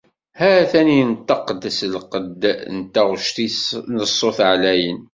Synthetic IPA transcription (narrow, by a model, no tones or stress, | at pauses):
hæθænint̪ːɑqəd̪ːəslqəd̪nt̪ːæʁʃt̪isnəsˤːoθʕlæjən